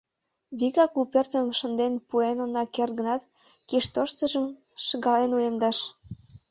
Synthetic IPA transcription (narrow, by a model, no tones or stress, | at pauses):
βiɣɑkupert̪ə̆mʃə̆nd̪enpuenonɑkert̪̚ɡə̆nɑt̪ | kiʃt̪oʃt͡sə̆ʒəm | ʃəɣɑlenujəmd̪ɑʃ